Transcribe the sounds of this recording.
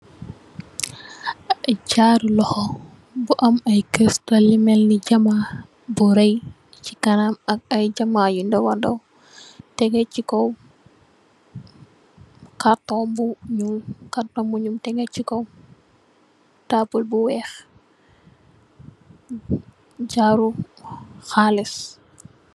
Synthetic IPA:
ɟaɾlɔxɔ | buʔɐmɐjkɾistalimɛlːiɟama | buɾɛj | cikɐnamɐk̚ɐjɟɐmajundɔwandɔw | tɛɡɛt͡ʃikɔw | katːɔmbuɲulkatɔmbuɲumtɛɡɛcikɔw | taːpulbuwɛːx | ɟaɾu | xalis

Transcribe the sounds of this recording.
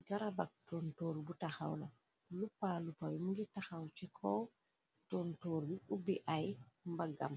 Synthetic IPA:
ɡaɾabak̚tɔntoːɾbutaxa̰wna | lupːalupːawmuɡitaxawt͡ʃikʰɔ | tɔntoːɾbuʔubiʔajmbaɡa̰m

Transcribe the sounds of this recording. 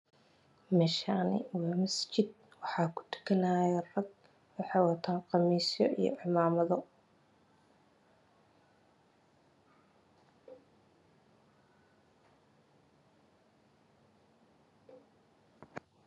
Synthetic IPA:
mɛːʃaːnɪ̰wɑːmɐst͡ʃɪd̪̚ | wɑħɑːkʰʊ̥t̪ʰʊ̥kʰɐnaːjɛrɐɡ | wɑħɑjwɑt̪ʰaːɴqɑmiːsjɔʔḭjɔ̰ʔɪmaːmɐðɔ

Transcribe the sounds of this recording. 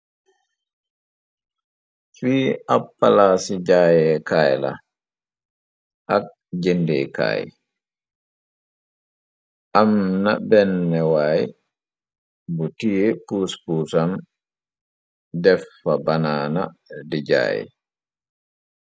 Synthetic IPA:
fiːʔapːalasid͡ʒaːjɛkaːjla̰ | ʔak̚ | d͡ʒendejka̰ːj̰ | ʔamnabɛnːɛwaːj | butijɛpuspusam | dɛfːabanaːna̰did͡ʒa̰ːjɛ̰

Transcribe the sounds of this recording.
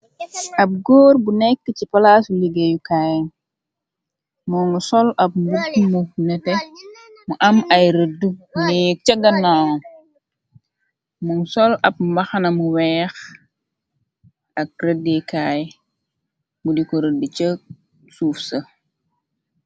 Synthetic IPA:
ʔɐp̚ɡɔːrbunɛkːət͡ʃipɐlaːsuliɡejukaːj | mɔŋsɔlɐp̚mbutmunɛtɛ | muʔɐmɐjɾədunik̚t͡ʃɐɡɐnːan | mɔŋsɔlɐp̚mbɐxɐnɐmuwɛːx | ɐk̚rədekaːj | mudikɔɾədut͡ʃə | suːfsɐ

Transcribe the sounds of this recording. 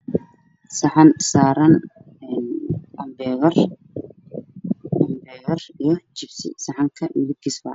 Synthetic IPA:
sɐħɑnsaːɾɐn | ɛnɐmbɛɣɐr | ɐmbɛːɣɐrijɞt͡ʃɪbsɪ̰sɐħɑŋkʰɐʔɪdɪɡɪsbɐ̰ː

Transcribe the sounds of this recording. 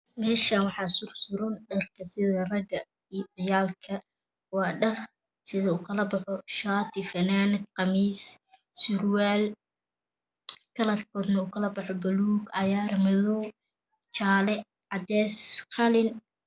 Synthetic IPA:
mɛːʃanwɑħɑsʊrsʊɾʊnɖɐrkʰɐsɪðɐrɐɡɐ | iːʕɪjaːlkʰɐ | wɑːɖɐr | sɪðɐuːkʰɐlɐbɑħɔʃaːt̪ʰɪfɐnaːnɪd̪qɑmiːs | sʊrwaːl | kʰɐlɐd̪kʰɔːd̪nɐuːkʰɐlɐbɑħɔbɐluːɡɐjaːɾɐmɐðɔː | t͡ʃaːlɛ | ʕɑd̪ɛːsqɑlɪn

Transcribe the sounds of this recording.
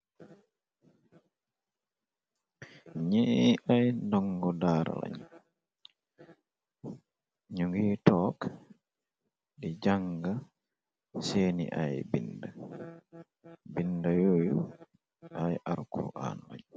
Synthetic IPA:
ɲɛʔajndɔŋɡɔdaːɾa̰la̰ɲ | ɲuŋɡiːtɔːk | ɗɛd͡ʒaŋɡa | seːnḭʔajbinda | bindajoju | ʔajʔaɾkʰɔ̰ʔa̰nːa̰ɲ

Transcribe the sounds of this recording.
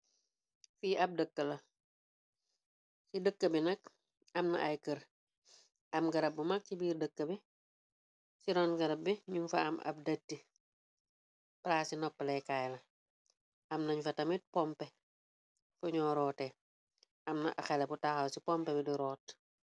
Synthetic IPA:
fiːʔɐp̚dəkːəlɐ | sidəkːəbinɐk̚ | ɐmnɐ̰ʔajkəɾ | ɐmɡɐɾɐp̚bumak̚sibiːrdəkːəbi | siɾɔnɡɐɾɐp̚biɲumfɐ̰ɐ̰mɐ̰b̚datːi | pɾaːsinɔpːəlɛjkaːjlɐ | ɐmnɐɲfɐtɐmit̚pɔmpɛ | fuɲɔːɾɔːtɛ | ɐmnɐ̰ʔɐxɛlɛbutaxɐwsipɔmpɛbidiɾɔːt

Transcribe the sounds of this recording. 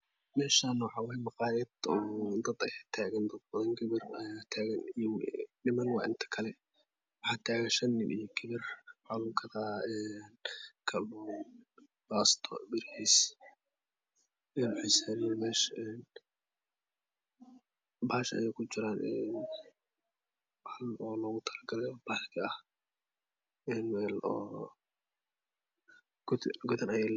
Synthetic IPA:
mɛːʃanɔʕɑwɛjmɑqɑːɾɛd̪ɔːd̪ɐd̪ɐjɛt̪ʰaːɣɐnd̪ɐd̪̚bɐðɐŋɡɪβɪrt̪ʰaːɣɐnijnɪmɐnwɑ̰ːʔɪnt̪ʰɐ̥kʰɐlɛ | wɑħɑːt̪ʰaːɣɐnʃɐnːɪmʔḭjɔɡɪβɪrħɑlukʰɐðaːɛːnkʰɐb | b̥aːst̪ʰɔ̰bɪɾhiːs | ɛnħɪsɛːnɪːnmɛːʃɛn | baːʃɐ̰jɛjkʰʊt͡ʃɪɾaːnʔɛːn | banɔːlɔːɣʊt̪ʰɐlɐɡɐlɛjɔbaːlkʰɐɐh | ɛːnmɛːlɔː | ɡʊðɐnɐjɛl

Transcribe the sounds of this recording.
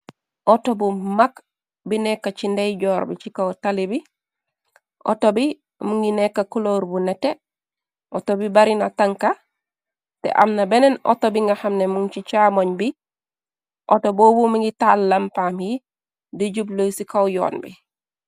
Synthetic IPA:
ʔotobumak | binekːat͡ʃindejɟɔːɾbit͡ʃikawtalibi | ʔo̰tobi | muŋɡinekːakuloɾbunete | ʔotobibaɾinataŋka | tḛʔa̰mnabeneno̰tobiŋɡahamnemuŋt͡ʃit͡ʃamoɲbi | ʔotobobumiŋɡitalːampamji | diɟublojsikawjɔ̰ːnbḭ

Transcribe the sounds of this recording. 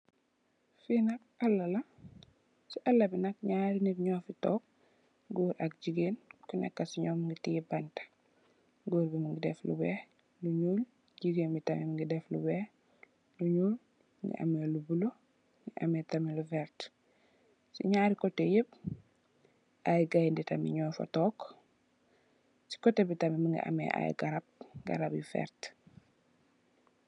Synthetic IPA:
finɐk̚ɐlːɐlɐ | siʔɐlːɐbinɐk̚ɲaːɾiniɾɲɔːfitɔːk̚ | ɡuːɾɐk̚ɟiɡeːnkunɛ̰kːɐsiɲɔːmiŋɡitiibɐntḁ | ɡoːɾbimiŋɡidɛ̰flṵbɛː | luɲuːl | ɟiɡeːnmitɐmɛmiŋɡidɛflṵbɛ | luɲuːl | ŋɡḭʔɐ̰melubulo | ŋɡiʔɐmɛtɐmɛlufɛɾt | sḭɲaːɾikɔtːejəb̚ | ʔajɡajnditɐmḭɲɔːfɐ̰tɔːk | si̥kɔtːebitɐmiməŋɡḭʔɐ̰mɛ̰ʔa̰jɡɐɾɐb̚ɡɐ̰ɾɐbjufɛ̰ɾt

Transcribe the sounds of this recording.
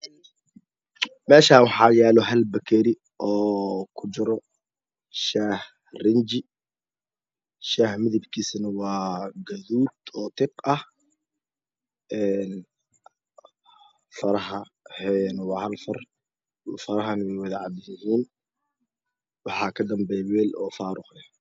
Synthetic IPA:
mɛːʃaːwɑħɑjaːlɔɦɐlbɐkʰɛɾɪ | ʔɔːkʰʊd͡ʒɪɾɔ | ʃaːh | rɪnd͡ʒɪ | ʃaːhmɪðɪbkʰiːsnɐwɑːɡɐðuːd̪ɔːt̪ʰɪqɐh | ʔɛːn | fɐɾɐɦɐ | hɛnwɑːhɐlfɐr | fɐɾɐɦɐnwɛjwɐðɐʕɑdɪjɪɦiːn | wɑħɑːkʰɐd̪ɐmbɛjɛwɛːlʔɔ̰ːfaːɾʊqjɐ

